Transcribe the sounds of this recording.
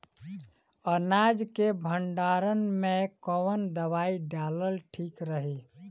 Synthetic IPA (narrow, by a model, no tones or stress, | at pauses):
ənad͡ʒkebʱəɳɖaɾənmẽkɔwənd̪əβaiɖaləlʈʰikɾəɦi